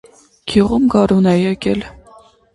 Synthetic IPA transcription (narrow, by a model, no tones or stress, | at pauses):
kʰiʁumɡɑɾunɛjɛkɛl